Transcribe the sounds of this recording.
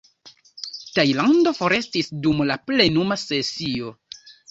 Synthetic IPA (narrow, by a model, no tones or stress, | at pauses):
tajlando̞fo̞ɾe̞stisdumlaple̞numase̞sio̞